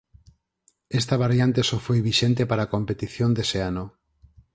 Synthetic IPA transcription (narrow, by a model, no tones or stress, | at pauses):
est̪aβ̞aɾjant̪esofojβiʃent̪epaɾakompet̪iθjond̪eseano